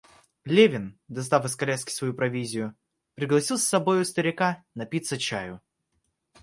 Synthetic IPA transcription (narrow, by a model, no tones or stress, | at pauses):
lʲevʲɪnd̪ɐs̬t̪afɨskɐlʲæskʲɪ̥svɐjupɾɐvʲizʲɪjʊ | pɾʲɪɡlˠɐsʲilˠsːɐbo̞jʊst̪əɾʲɪkanɐpʲit̪sət͡ɕajʊ